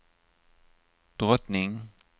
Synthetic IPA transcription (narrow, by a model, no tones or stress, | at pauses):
d̪̥ʁɔt̪nɪŋ